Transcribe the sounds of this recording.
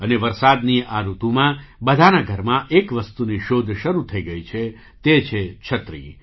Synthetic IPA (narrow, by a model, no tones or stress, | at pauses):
əneʋəɾsad̪niaɾut̪ũmãbəd̪ʱanaɡʱəɾmãʔekʋəst̪uniʃod̪ʱʃəɾut̪ʰəiɡəit͡ʃʰe | t̪et͡ʃʰet͡ʃʰət̪ɾḭ